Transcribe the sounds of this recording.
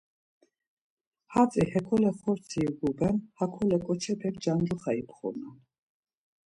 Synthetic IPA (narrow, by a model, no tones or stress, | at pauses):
hat͡sʼihɛkʰɔlɛχɔɾt͡sʰiɡuɡɛnhakʰɔlɛkʼɔt͡ʃʰɛpʰɛkd͡ʒand͡ʒuχaipʰχṵna